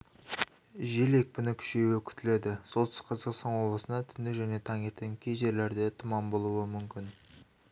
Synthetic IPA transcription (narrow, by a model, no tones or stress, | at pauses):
ʒile̞k̚pɪnɪkʲʰʏ̥ʃeuekʲʰʏ̥t̪ɪle̞d̪ɪso̞lt̪ɪ̥sqʰɑzɑqst̪ɑnwo̞bˠəsənd̪ɑt̪ʰʏnd̪ɪʒæne̞t̪ʰɑŋe̞ɾt̪eŋkʲʰejʒe̞ɾle̞ɾd̪e̞t̪ʰʊmɑmbo̞lˠuəmʏmkʲɪn